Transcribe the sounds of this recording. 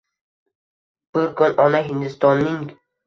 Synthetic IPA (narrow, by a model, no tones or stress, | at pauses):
b̥ʊɾkʊnʔɒnaɦɪnd̪ɪst̪ɒnːɪŋ